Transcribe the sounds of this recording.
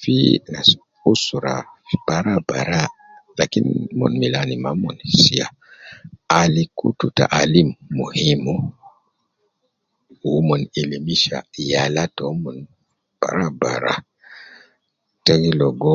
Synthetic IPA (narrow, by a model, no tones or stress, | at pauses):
fḭna | usuɾab̥aɾabaɾa | lakḭnmɔ̰nmilanimamɔnsija̰ | alikṵtuta̰ʔalimːuhimu | wumɔnilimiʃa̰jalatɔmɔn | b̥a̰ɾaba̰ɾa̰ | tɛŋilɔɡɔ